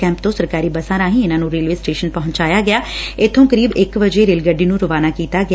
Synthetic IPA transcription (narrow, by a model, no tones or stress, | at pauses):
ɛ̃ːmpt̪õːsəɾkaːɾiːbəsaːɾãːɦĩːɪnãːnũːɾeːlʋeːsʈeːʃənpɔɦʊ̃ɲt͡ʃaːjaːɡɪjaːɪt̪ʰːõːkəɾiːbɪkʋəd͡ʒeːɾeːlɡəɖːiːnũːɾʊʋaːnaːkiːt̪aːɡ